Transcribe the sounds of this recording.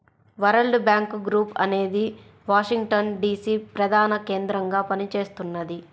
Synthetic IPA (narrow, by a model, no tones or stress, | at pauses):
ʋɐɾɐlɖbjaːŋkɡɾuːpɐne̞ːd̪i | ʋaːʂiŋɡʈɐnɖiːsiːpɾɐd̪ʱaːnɐkeːnd̪ɾɐŋɡaːpɐnit͡ʃe̞ːst̪unːɐd̪i